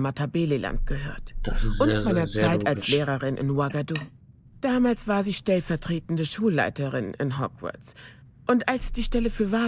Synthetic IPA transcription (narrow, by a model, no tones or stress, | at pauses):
matʰabeːlelʔa̰nt̚ɡ̥əhø̰ːɐtʊnmaɪnɐt͡saɪtalsleːʁɐʁɪnʔɪ̰nwaɡadu | d̥aːmaːlsv̥aːɐziːʃtɛlfɛɐtʁ̥eːtn̩dəʃuːlːa̰ɪtəʁɪnɪ̰nɦɔkvʊ̰ɐt͡s | ʔʊntʔalsd̥iːʃtɛləfyːɐva